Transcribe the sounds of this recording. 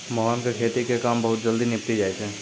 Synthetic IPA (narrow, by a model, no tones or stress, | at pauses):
mɔɦaːnkekʰeːt̪ikekaːmbɐɦʊt̪̚d͡ʒəld̪inɪp̚t̪id͡ʒaːet͡ʃʰɛ̃ː